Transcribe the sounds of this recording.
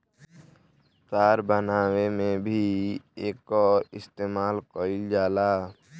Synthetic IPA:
t̪aːɾbənaːwemẽbʱieːkɔːɾɪst̪eːmaːlkoːɪld͡ʒaːlaː

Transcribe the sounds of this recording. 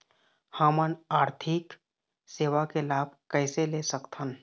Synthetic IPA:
haːmənaːɾt̪ʰɪk | seːʋakelaːb̚ʱkɛːselesəkt̪ɦən

